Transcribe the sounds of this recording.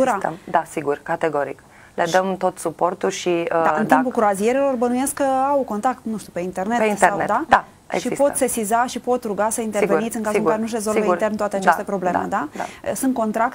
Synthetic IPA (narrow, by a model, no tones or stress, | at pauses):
uɾamd̪asiɡurkat̪eɡo̞ɾḭk | led̪əmt̪o̞t̪supo̞rt̪ulʃid̪aɨnt̪impulkɾoazie̞ɾelo̞rbənuje̞skkəawko̞nt̪ɾakt̪nuʃt̪upe̞int̪e̞rne̞einseawned̪ad̪a | ḛʃiipo̞t̪se̞sizaʃipo̞t̪ɾuɡasəint̪eveit̪sɨŋkazuŋkaɾenuʃ̬ɾe̞zo̞lveit̪ent̪wat̪eat͡ʃest̪e̞pɾo̞ble̞mḛd̪aa̰əsɨnt̪̚ko̞nt̪ɾakt